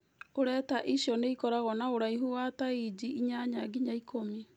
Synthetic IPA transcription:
oɾɛtaʔiʃjɔneikɔɾaɣɔnaoɾaiɦuwataid͡ʑiʔiɲaɲaɡiɲaikʰomi

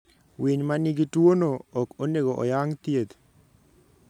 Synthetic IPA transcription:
wiɲmaniɡitwonoɔkoneɡoʔɔ̰jaŋt̪jet̪

